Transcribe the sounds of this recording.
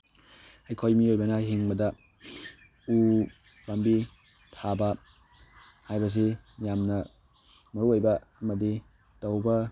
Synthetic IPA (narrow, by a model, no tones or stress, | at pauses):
hajkʰojmiojbɐnɐɦiŋbɐdɐ | u | bambi | tʰabɐ | hajbɐs̬ijamnɐ | mɐɾuojbɐɐmɐdi | tawbɐ